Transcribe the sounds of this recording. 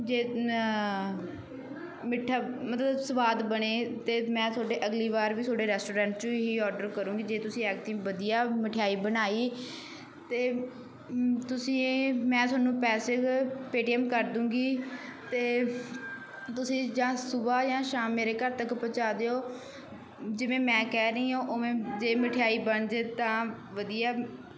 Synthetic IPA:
d͡ʒeː | mɪʈʰːaːmət̪lləbsəʋaːd̪bəɳeːt̪eːmɛ̃ːt̪oːɖeːʔəɡliːʋaːɾʋiːsʰoːɖeːɾɛːsʈoːɾɛ̃ːɳʈt͡ʃõɦiːɔːɾɖəɾkəɾũːɡiːd͡ʒeːt̪ʊsĩːɛːk̚t̪ĩːʋəd̪ijaːmɪʈʰɪjaːiːbənaːiː | t̪eː | t̪ʊsĩːmɛ̃ːt̪ʊaːnːũːpɛːsɪkpeːʈiːɛmkəɾd̪ũːɡiːt̪eː | t̪ʊsĩːd͡ʒãːsʊbaːjãːʃaːmːeːɾeːkəɾt̪əkpət͡ʃaːd̪eoː | d͡ʒɪʋẽːmɛ̃ːkɛːɾəĩːõːʔoːʋẽːd͡ʒeːməʈʰɪjaːiːbəɳd͡ʒet̪ãː | ʋəd̪ijaː

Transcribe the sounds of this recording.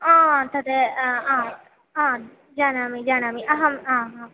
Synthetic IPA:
ãːt̪ɐd̪eã | ãː | d͡ʒaːnaːmid͡ʒaːnaːmiʔɐɦɐmãːã

